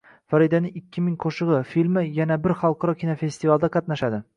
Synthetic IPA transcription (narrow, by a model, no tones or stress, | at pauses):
faɾid̪anɪŋɪkʲʰːɪmɪŋqʰoʃɨʁɨfilmɪjanabɪɾχɑlˠqʰɑɾɒkʲʰinofe̞st̪ivalˠd̪aqʰɑt̪naʃad̪ɪ